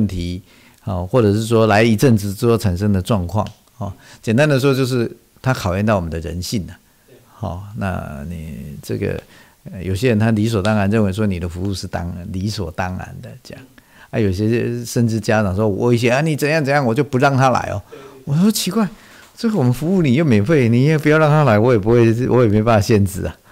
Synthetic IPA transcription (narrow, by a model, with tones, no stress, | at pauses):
nt̪ʰi˨˧˦ | xɔ˨˩xwɔ˥˩ʈ͡ʂɤ˨˩ʂɻ̩˥˩ʂwɔ˥la˧˥ɪi˨˩ʈ͡ʂə˥˧ŋʈ͡ʂɻ̩˨˩t͡sɔ˥˧ɑ˥˩ʈ͡ʂʰa˧˥nʂə˥ŋd̪ə˨ʈ͡ʂwɑ˥˧ŋkʰwɑ̰˥˨˩ŋ | hɔ˥˩t͡ɕjɛ˨˩nt̪a˦˥nd̪ə˨ʂwɔ˥t͡ɕjo˥˧ʊʂ̬ɻ̩˥˩ | t̪ʰa˦˥kʰɑ˨˩ʊjɛ˥˧nt̪ɑ˥˩wɔ˨˩ə˦nd̪ə˧ɻə̰˧˦nɕi˥˩nə˩ | hɔ̰˨˩na̰˥˧nḭ˨˩ʈ͡ʂə̰˥˩ɡə̰˨˩ | jo̰˨˩ɕjɛ˦˥ɻə˧˦nt̪ʰa˥li˧˥s̬wɔ˨˩t̪ɑ˥ŋa˧˥nɻə˥˨nwe˧˥ɪʂ̬wɔ˥ni˨˩d̪ə˦fu˧˦u˥˧ʂɻ̩˥˩t̪ɑ̰˥ŋli˧˦swɔ̰˨˩t̪ɑ˦ŋa̰˧˦nd̪ə̰˨t͡ɕjɑ̰˥˩ŋ | a˧˦jo˨˩ʊ˨ɕjɛ˥ʂə˥nʈ͡ʂɻ̩˦t͡ɕja˦˥ʈ͡ʂɑ˨˩ŋʂwɔ˥˧wɔ̰˧˦i˥˩ɕ̬jɛ˦˥a˥˧ni˨˩t͡sə˨˩ŋjɑ˥˩ŋt͡sɤ˨˩˦jɑ˥˨ŋwɔ˨˩t͡ɕjo˥˩ʊpu˧˦ɻɑ˥˩ŋt̪ʰa˦la̰˧˥ɪɔ̰˨wɔ˨˦ʂɔ˥t͡ɕʰi˧˥kwa˥˩ɪ | ʈ͡ʂə˥˩ɡə˨˩wɔ˨˩mə˦nfu˧˥u˥˩ni˨˩jo˥˩me˨˥ɪfe˥˩ɪni˨˩i˦we˥˩pu˧˥jɻɑ˥˨ŋt̪ʰa˦˥la˧˥ɪwɔ˧˦jɛ˨˩p̬u˧˥xwe˥ɪwʔɔ˧˦jɛ˨˩me˧˥ɪpa˨˩a˨˩ɕjɛ˥˧nt͡sɹ̩̰˥˩a˨